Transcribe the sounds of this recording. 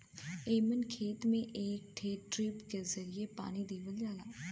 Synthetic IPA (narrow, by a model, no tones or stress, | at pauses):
eːmənkʰeːt̪mẽːʔeːk̚ʈʰeːʈɾɪpk̪eːzəɾɪeːpa̰ːniːd̪eːʋəljaːlaː